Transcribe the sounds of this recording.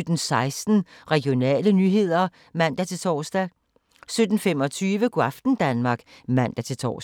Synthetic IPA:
ød̥n̩sɑ̈ɪsd̥n̩ʁɛɡ̥jo̝nɛ̰ːlənyːɦe̝ð̞̰ˠɐ | mæn̰d̥æt͡sʰe̝t͡sʰɒːsd̥æ | sød̥n̩femɒ̽t͡sʰyːʋəkoɑfd̥n̩d̥ænmɑ̈ːɡ̥mæn̰d̥æt͡sʰe̝lt͡sʰɒ̰ːs

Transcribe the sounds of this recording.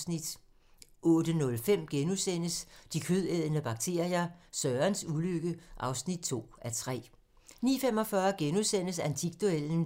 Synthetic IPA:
snid̥ | ʔɔ̽ːd̥ənɔ̽lfem̰ɡ̥enusen̰əsd̥ikʰøðˠeð̰ˠənəb̥ɑ̈ɡ̥̚t͡sʰe̝̰ːɐjɑsɶɐnsuløɡ̥əʔɑ̈ʊsnid̥̚t͡sʰo̝̰ːæt͡sʰʁɛ̰ː | nḭːfem̰ɒ̽fɶɐɡ̥enusen̰əsænt͡sʰiɡ̥̚d̥oeln̩

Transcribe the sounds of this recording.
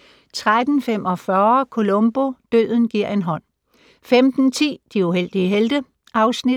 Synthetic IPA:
t͡sʰʁad̥n̩femʔɒ̽fɶɐkʰo̝lɔ̽mb̥o̝d̥øð̰ˠn̩ɡ̥iɐ̰e̝nɦɒ̽n̰ | femd̥n̩t͡sʰḭːd̥iuɦel̰d̥iəɦeld̥ə | ʔɑ̈ʊsnid̥

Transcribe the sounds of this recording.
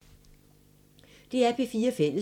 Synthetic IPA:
d̥e̝æɐb̥ʰe̝fiːɐfel̰ə

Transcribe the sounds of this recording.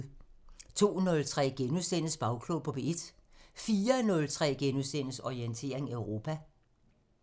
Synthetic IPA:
t͡sʰo̝̰ːnɔ̽lt͡sʰʁɛ̰ːɡ̥enusen̰əsb̥ɑ̈ʊkʰlopʰɒ̽b̥eed̥fiːɐnɔ̽lt͡sʰʁɛ̰ːɡ̥enusen̰əsɒient͡sʰe̝̰ːɐ̰e̝ŋæeʊʁo̝ːpʰæ

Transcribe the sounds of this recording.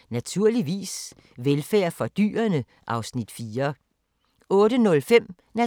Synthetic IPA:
næt͡sʰuɐ̰liʋḭːs | ʋelfæ̰ːɐfɒ̽d̥y̰ːɐnə | ʔɑ̈ʊsnid̥fiːɐ | ɔ̽ːd̥ənɔ̽lfem̰ | næ

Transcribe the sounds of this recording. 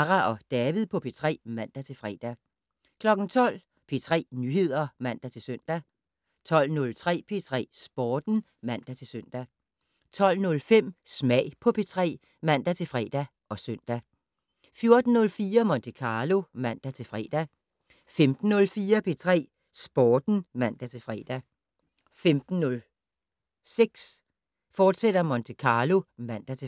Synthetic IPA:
ʁæʔɒ̽d̥ɛːʋiðˠpʰɒ̽pʰe̝t͡sʰʁɛ̰ːmæn̰d̥æt͡sʰe̝lfʁɛ̰d̥æ | kʰlɒ̽ɡ̥n̩t͡sʰɒ̽l̰ | pʰe̝t͡sʰʁɛ̰ːnyhe̝ð̞̰ˠɐmæn̰d̥æt͡sʰe̝lsøn̰d̥æ | t͡sʰɒ̽l̰nɔ̽lt͡sʰʁɛ̰ːpʰe̝t͡sʰʁɛ̰ːsb̥ɒːd̥n̩ | mæn̰d̥æt͡sʰe̝lsøn̰d̥æ | t͡sʰɒ̽l̰nɔ̽lfem̰smɛːɪ̰pʰɒ̽pʰe̝t͡sʰʁɛ̰ː | mæn̰d̥æt͡sʰe̝lfʁɛːd̥æ | ɒ̽sœn̰d̥æ | fjo̝ɐd̥n̩ːɔ̽lfiːɐmɒ̽nt͡sʰekʰɑ̈ːlo̝mæn̰d̥æt͡sʰe̝lfʁɛ̰d̥æ | femd̥n̩ːɔ̽lfiːɐpʰe̝t͡sʰʁɛ̰ː | sb̥ɒːd̥n̩mæn̰d̥æt͡sʰe̝lfʁɛːd̥æ | femd̥n̩ːɔl | seɡ̥s | fɒːd̥sed̥ɐmɒ̽nt͡sʰekʰɑ̈ːlo̝mæn̰d̥æt͡sʰe

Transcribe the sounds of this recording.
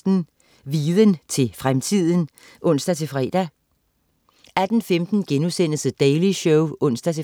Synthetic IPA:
d̥n̩ | ʋiːðˠənt͡sʰe̝fʁamt͡sʰið̞̰ˠən̩ | ʔɔ̽n̰sd̥æt͡sʰe̝fʁɛːd̥æ | æd̥n̩femd̥n̩ɡ̥enusen̰əsəd̥ɛɪliɕɔʊɔ̽n̰sd̥æt͡sʰe

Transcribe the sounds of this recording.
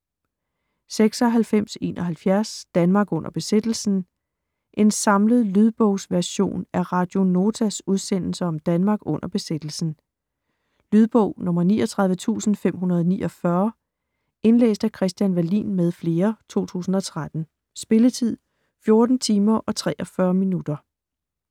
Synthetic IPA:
seɡ̥sɒɦælfem̰se̝̰ːnʔɒ̽ɦælfjæɐsd̥ænmɑ̈ːɡ̥ɔ̽n̰ʔɐb̥e̝sed̥l̩sn̩ | ʔe̝nsɑ̈mləð̞̩ˠlyðˠb̥ɔʊ̰sʋæɐɕo̝̰ːnæɐʁɑ̈d̥jo̝no̝ːt͡sʰæsuð̞ˠsen̰l̩səɒ̽md̥ænmɑ̈ːɡ̥ɔ̽n̰ɐb̥e̝sed̥l̩sn̩ | lyð̞ˠb̥ɔʊ̰nɔ̽mɐnḭːɒt͡sʰʁɑðˠʋət͡sʰṵːsn̩fem̰ɦunɐð̞ˠnḭːʔɒ̽fɶɐ | e̝nlḛːsd̥ækʰʁɛsd̥jænʋæɐlḭːnmeð̞ˠfle̝ːɐt͡sʰo̝̰ːt͡sʰṵːsn̩ɒ̽t͡sʰʁad̥n̩ | sb̥e̝lət͡sʰið̞̰ˠ | fjo̝ɐd̥n̩t͡sʰiːmɐʔɒ̽t͡sʰʁɛːʔɒ̽fɶːɐminud̥ɐ

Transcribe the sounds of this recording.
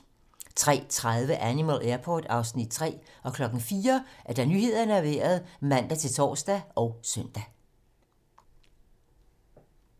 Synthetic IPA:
t͡sʰʁɛ̰ːt͡sʰʁaðˠʋəʔænimælʔæɐpʰɒːd̥ɑ̈ʊsnid̥̚t͡sʰʁɛ̰ːɒ̽kʰlɒ̽ɡ̥n̩fiːɐʔæɐd̥æ̈nyːhe̝ð̞̰ˠɐnəæɐʋḛːɐð̞ˠmæn̰d̥æt͡sʰe̝lt͡sʰɒ̰ːsd̥æɒ̽ʊsœn̰d̥æ

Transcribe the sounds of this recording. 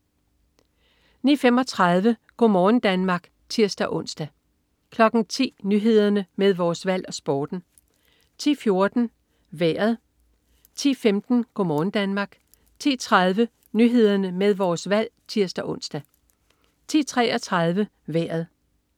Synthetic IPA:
niːfem̰ɒ̽t͡sʰʁɑð̞ˠʋəɡ̥o̝mɒːn̩d̥ænmɑ̈ːɡ̥ | t͡sʰiɐsd̥æʔɔ̽n̰sd̥æ | kʰlɒ̽ɡ̥n̩t͡sʰḭːnyɦe̝ð̞ˠɐnəmeð̞ˠʋɒːsʋæl̰ɒ̽sb̥ɒːd̥n̩ | t͡sʰḭːfjo̝ɐd̥n̩ | ʋeːɐð̞̩ˠ | t͡sʰḭːfemd̥n̩ɡ̥omɒːn̩d̥ænmɑ̈ːɡ̥ | t͡sʰḭːt͡sʰʁɑðˠʋə | nyɦe̝ð̞ˠɐnəmeð̞ˠʋɒːsʋæl̰t͡sʰiɐsd̥æʔɔ̽n̰sd̥æ | t͡sʰḭːt͡sʰʁɛɒ̽t͡sʰʁɑ̈ð̞ˠʋə | ʋæːɐð̞ˠ

